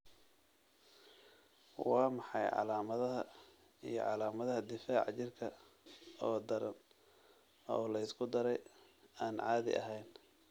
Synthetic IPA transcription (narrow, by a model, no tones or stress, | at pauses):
wɑːmɑħɑjʕɑ̰laːmɐðɐɦɐ | ijɞ̰ʕɑlaːmɐðɐɦɐd̪ɪfaːʕɑt͡ʃɪrkʰɐ | ɔːd̪ɐɾɐ̰n | ɔːlɐɪskʰʊd̪ɐɾɛjaːnʕɑːðɪ̰ʔɐ̰ɦɛjn